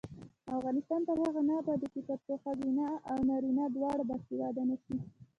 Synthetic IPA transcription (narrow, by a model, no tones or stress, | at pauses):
afɣɑnɪst̪ɑnp̪əɾhaɣanɑbɑd̪əkipaɾpoxazinaawnɑɾinɑd̪wɑɽabast̪iɾɑd̪anaʃi